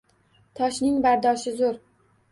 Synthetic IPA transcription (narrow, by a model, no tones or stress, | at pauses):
t̪ʰɒʃnɪŋbaɾd̪ɒʃɪzʊɾ